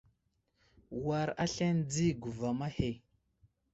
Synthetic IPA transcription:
wa˨ɾa̰˦ɬe˦nd͡zi˦ɡu˨va˨ma˦he˨

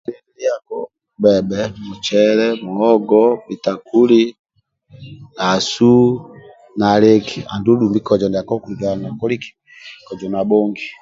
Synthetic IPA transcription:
ɛli˦akɔ˦ | bɛ˨bɛmu˨t͡ʃɛlɛmu˨hɔ˦ɡɔbi˨ta˨ku˦li˦ | na˨su˦ | na˨le˦ki˨a˨ndu˦ɗu˨mbi˦kɔ˨d͡ʒɔ˨nda˨a˨kɔ˦kuliɡa˨a˨na˨kɔ˦li˦ki̥˨ | kɔ˨d͡ʒɔ˨na˨bɔ˦ŋɡi

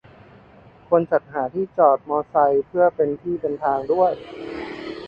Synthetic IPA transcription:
kʰu˧ənt͡ɕa˨˩t̪̚ɦaː˩˦t̪ʰiː˥˩t͡ɕɔː˨˩t̪̚mɔː˧sa˧jpʰɯ˥˩əpe˧nt̪ʰiː˥˩dɤː˧nt̪ʰaː˧ŋdu˥˩əj

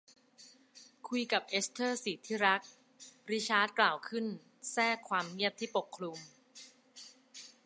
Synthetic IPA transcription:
kʰu˧jka˨˩p̚ʔe˦˥st̪ʰɤː˥˩siː˨˩t̪ʰiː˥˩ɾa˦˥k̚ | ɾi˦˥t͡ɕʰaː˦˥t̪̚klaː˨˩wkʰɯ˥˩n | sɛː˥˩kʰːwaː˧mŋi˥˩əp̚t̪ʰiː˥˩po˨˩kʰːlu˧m

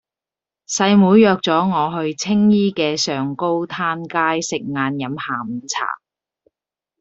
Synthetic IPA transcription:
sɐ˧jmuː˨˧˥jjœː˧k̚t͡sɔː˨˥ŋɔː˨˧ɦɵ˧ɥt͡sʰɪ˥ŋjiː˥kɛː˧sœː˨ŋko˥wt̪ʰaː˥nkaː˥jsɪ˨k̚ŋaː˨˧njɐ˨˥mhaː˨˩m̩˨˩t͡sʰa̰ː˨˩

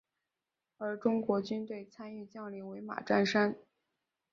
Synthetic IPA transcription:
ə˞˧˥ʈ͡ʂʊ˥ŋkwɔ˧˥t͡ɕy˥nt̪we˥˩ɪt͡sʰa˥ny˥˧t͡ɕjɑ˥˩ŋli˧˥˩ŋwe˧˥ɪma̰˨˩ʈ͡ʂa˥˩nʂa˥n

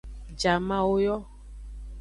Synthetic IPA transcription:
d͡ʒa˨mã˦wo˦jɔ˦

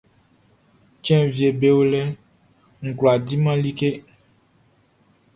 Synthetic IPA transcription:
t͡ʃɛ̃˦vje˨be˨wo˦lɛ˦ | ŋ̩˨klo˨a˨di˦mã˦li˦ke˦

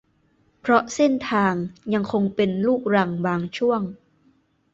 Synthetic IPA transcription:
pʰɾɔ˦˥ʔse˥˩nt̪ʰaː˧ŋja˧ŋkʰo˧ŋpe˧nluː˥˩k̚ɾa˧ŋbaː˧ŋt͡ɕʰu˥˩əŋ

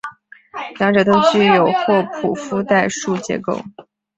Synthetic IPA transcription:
lɑ˧˥ŋʈ͡ʂɤ˨˩t̪o˥ʊt͡ɕy˥˩jo˨˩ʊxwɔ˥˩pʰu˨˩fu˥t̪a˥˧ɪʂu˥˩t͡ɕjɛ̰˧˥ko˥˩ʊ

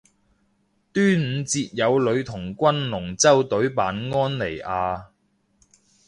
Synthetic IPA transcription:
t̪yː˥m̩˨˧t͡siː˧t̚jɐ˨˧wlɵ˨˧ɥt̪ʰʊ˨˩ŋkʷɐ˥nlʊ˨˩ŋt͡sɐ˥wt̪ɵ˨˥ɥpaː˨˥nŋɔː˥nle˨˩jaː˧

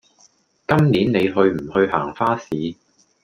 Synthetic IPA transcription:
kɐ˥mniː˨˥nne˨˧jɦɵ˧ɥm̩˨˩hɵ˧ɥha̰ː˨˩ŋfaː˥siː˨˧

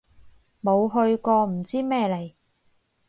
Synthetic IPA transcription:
mo˨˧wɦɵ˧ɥkɔː˧m̩˨˩t͡siː˥mɛː˥le˨˩j

